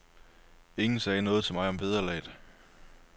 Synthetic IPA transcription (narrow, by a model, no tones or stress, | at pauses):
e̝ŋn̩sɛːnɔ̽ːð̞̩ˠt͡sʰe̝lmɑ̈ɪɒ̽mʋe̝ð̞ˠɐlɛ̰ːd̥